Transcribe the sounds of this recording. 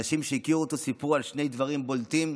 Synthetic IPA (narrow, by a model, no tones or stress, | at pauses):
aʃimʃeikiuot̪o̞sipuʁalʃne̞jd̪vaʁimbolt̪im